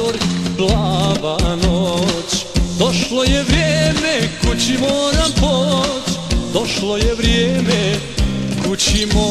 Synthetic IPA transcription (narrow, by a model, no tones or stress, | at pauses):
oɾplaʋanot͡ɕd̪oʃlojeʋɾjemekut͡ɕimoːɾampot͡ɕd̪oʃlojɛʋɾjeːme | kut͡ɕimo